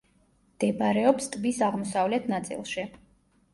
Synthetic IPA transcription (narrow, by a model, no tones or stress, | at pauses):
md̪̥ɛbaɾɛɔpst̪ʼbisaʁmɔsavlɛt̪ʰnat̪sʼḭlˠʃi